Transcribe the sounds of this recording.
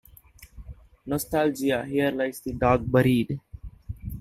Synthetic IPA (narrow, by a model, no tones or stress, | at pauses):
nɔst̪aːld͡ʒijaːɦijəɾlaɪsd̪iɖaːɡ̚bəɾiːɖ